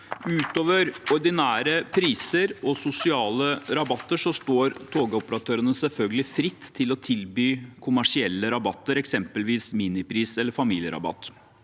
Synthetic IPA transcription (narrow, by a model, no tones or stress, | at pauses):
ʉːt̪oːʋəɾɔɾɖ̪ɪnæːɾəpʰɾiːsəɾɔsʊsɪɑːləɾɑbɑt̪ːəʂɔst̪oːɾt̪ʰoːɡəɔpəɾɑt̪ʰøːɾənəsɛlfœlɡəlɪfɾɪt̪ːtʰːɪlɔt̪ʰɪlbyːkʰʊmæʂɪɛlːəɾɑbɑt̪ːəɾɛksɛmpəlʋiːsmiːnɪpʰɾiːsɛlːəɾfɑmiːljə̰ɾɑ̰bɑ̰t̪ː